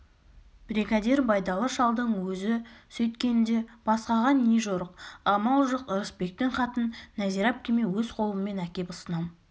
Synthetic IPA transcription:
b̥ɾiɡɑd̪eɾbɑjd̪ɑlˠəʃɑlˠd̪əɴwɵzɪsɵjt̪kʲe̞nd̪e̞b̥ɑsqɑʁɑnːeʒoɾəq̚ɑmɑlˠʒəqəɾəspe̞k̚t̪ɪɴqʰɑt̪ənːæziɾɑp̚kʲʰeme̞wɵzqʰo̞lˠəməmːe̞nækʲe̞pʊsənɑm

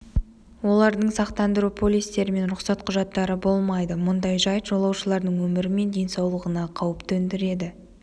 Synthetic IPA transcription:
wo̞lˠɑɾd̪əɴsɑqt̪ɑnd̪əɾupʰo̞lʲːijst̪e̞ɾɪme̞nɾʊqsɑt̪qʰʊʒɑt̪ːɑɾəbo̞lˠmɑjd̪əmʊnd̪ɑjʒɑjt̪ʒ̥olˠɑwʃəlˠɑɾd̪əɴwɵmɪɾɪme̞nd̪e̞jnsɑwlˠəʁənɑqʰɑwəpt̪ɵnd̪ɪɾe̞d̪ɪ

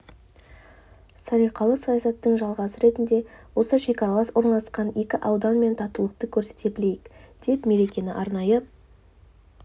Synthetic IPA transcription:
sɑɾijqɑlˠəsɑjɑsɑt̪ːəɴʒɑlˠʁɑsəɾe̞t̪ɪnd̪e̞wo̞səʃe̞kʲɑɾalˠɑswo̞ɾnɑlˠəsqɑnje̞kʲɪʔɑwd̪ɑnme̞nt̪ʰɑt̪ulˠəq̚t̪əkʲʰɵɾse̞̥t̪e̞bɪle̞jɪkd̪̥e̞p̪me̞ɾe̞kʲe̞nɪʔɑɾnɑjə

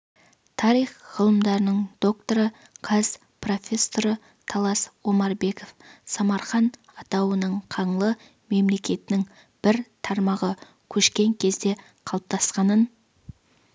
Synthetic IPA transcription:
t̪ʰɑɾijχʁəlˠəmd̪ɑɾənəɴd̪o̞k̚t̪o̞ɾə | qʰɑz | pro̞fʲe̞sːo̞ɾə | t̪ʰɑlˠɑswo̞mɑɾbe̞ko̞fsɑmɑɾχɑn | ɑt̪ɑwənəɴqʰɑɴlˠə | me̞mle̞kʲe̞t̪ɪnɪŋ | b̥ɪɾt̪ʰɑɾmɑʁə | kʲʰɵʃkʲe̞ŋkʲʰe̞zd̪e̞ | qʰɑlˠəp̚t̪ɑsqɑnən

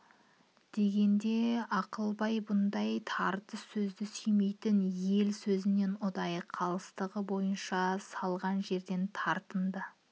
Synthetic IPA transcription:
d̪̥e̞ɡʲe̞nd̪e̞ɑqəlˠbɑjbʊnd̪ɑjt̪ʰɑɾt̪əssɵzd̪ɪsʏjme̞jt̪ɪnje̞lsɵzɪne̞nʊd̪ɑjəqʰːɑlˠəst̪əʁəbo̞jənʃɑsɑlˠʁɑnʒe̞ɾd̪e̞nt̪ʰɑɾt̪ənd̪ə

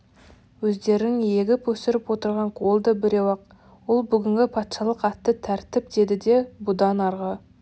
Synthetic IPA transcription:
wɵzd̪e̞ɾɪnɪŋje̞ɡʲɪpwɵsɪɾɪpwo̞t̪əɾʁɑɴqʰolˠd̪əbɪɾe̞wɑq | wolˠbʏɡʲɪŋɡʲɪpʰɑt̪ʃɑlˠəqɑt̪ːət̪ʰæɾt̪ɪp̚d̪e̞d̪ɪd̪e̞bʊd̪ɑnɑɾʁə

